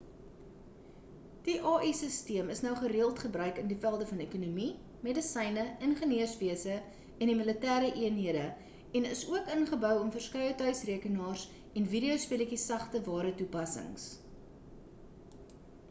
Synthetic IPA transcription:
d̥iʔɑːʔisəstiəməsnœwχəɾiəlˠtχəbrœɥkəndifælˠdəfɐnekunumi | medəsɛjnəənχəniəsviəsə | ɛndimələtæːɾəʔiənɦiədə | ɛnəsuəkənχəbœwɔmfərskœjətœɥsriəkənɑːrs | ɛnviɾiosfiləkisɐχtəvɑːɾətupɐsə̰ŋs

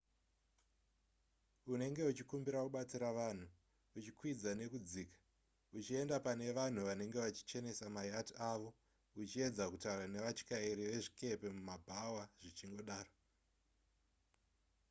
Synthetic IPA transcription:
une̞ŋɡe̞ut͡ʃikumbiɾakuɓat͡siɾaʋan̤uː | t͡ʃikwid͡zane̞kud͡ziːkḁ | ut͡ʃie̞ndapane̞ʋan̤uʋane̞ŋɡe̞ʋat͡ʃi̥t͡ʃe̞ne̞samajatiaʋo̞ | ut͡ʃie̞d͡zakutaurane̞ʋat͡ʃi̥kaiɾiʋe̞ʐike̞pe̞mumabʱawaʐ̥it͡ʃiŋɡo̞ɗaːro

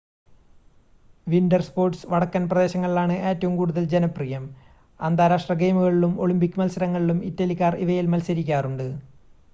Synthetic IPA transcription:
ʋindɐrspo̞ːrʈsʋɐɽɐkːɐnprɐd̪e̞ːɕɐŋːɐɭilaːɳɨe̞ːtːɐʋumkuːɽuðɐld͡ʑenɐprijɐm | ɐnd̪aːɾaːʂʈrɐɡe̞jmuɣɐɭilumo̞ɭumpikʲːumɐlsɐɾɐŋːɐɭilumitːɐlikʲːaːriʋɐjilmɐlsɐɾikʲːaːruɳɖɨ

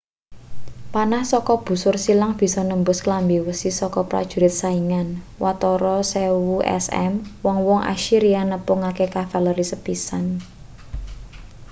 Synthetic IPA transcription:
panahsɔkɔb̥ṳsʊrsilaŋb̥i̤sɔnəmbʊsklambiwəsisɔkɔpɾa̰d̥ʒ̥ṳɾɪt̪̚saiŋan | wat̪ɔɾɔsewuʔɛ̰sɛ̰mwɔŋwɔŋʔa̰ʃiɾianəpʊŋakekafaləɾisəpisan

